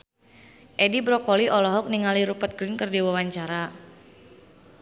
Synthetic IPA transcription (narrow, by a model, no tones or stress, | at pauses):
ʔɛdibɾɔkɔliʔɔlɔɦɔk̚niŋaliɾupət̪̚ɡɾɪnkərdiwawaɲt͡ʃaɾa